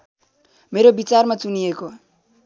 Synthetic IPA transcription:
meɾobit͡sarmat͡sunieko

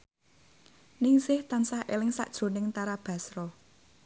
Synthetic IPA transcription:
niŋsɪht̪ansahʔelɪŋsa̰ʔd̥ʒ̥o̤nɪŋt̪aɾab̥ä̤sɾɔ

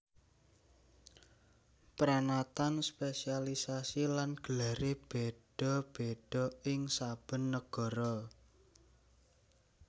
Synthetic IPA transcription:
pɾanat̪anspesialisasilanɡ̥əlaɾeb̥eɖ̥ɔ̤b̥eɖ̥ɔ̤ɪŋsab̥ə̤nːəɡ̥ɔ̤ɾɔ

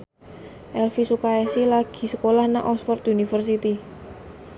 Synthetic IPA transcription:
ʔɛlfisukaɛsilaɡ̥i̤səkolahnaʔɔsfɔrt̪junifərsit̪i

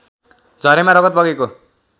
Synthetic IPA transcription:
d͡zʱʌɾemaɾʌɡʌt̪̚bʌɡeko

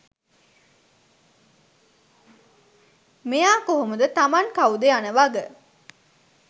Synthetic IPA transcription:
mejaːkoɦomud̪ət̪amaŋkawud̪eanəʋaɡə

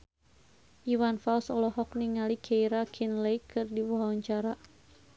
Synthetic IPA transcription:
ʔiwanfalsɔlɔɦɔk̚niŋalikʰeiɾakʰinlejkʰɨrdiwaɦaɔɲt͡ʃaɾa

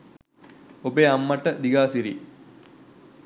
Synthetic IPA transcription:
obeamːaʈəd̪iɡaːsiɾḭ

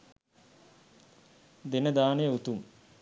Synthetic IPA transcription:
d̪enəd̪aːnejəut̪um

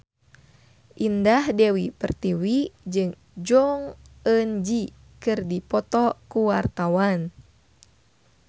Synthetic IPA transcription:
ʔindahdewipərt̪iwid͡ʒɨŋ | d͡ʒɔŋənd͡ʒi | kɨrdipɔt̪ɔkuwart̪awan

